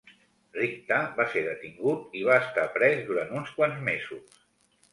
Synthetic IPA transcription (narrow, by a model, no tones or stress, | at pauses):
rik̚t̪aβaseɾðət̪iŋɡut̪iβ̞aəst̪apɾɛzd̪uɾant̪unskwanzmezus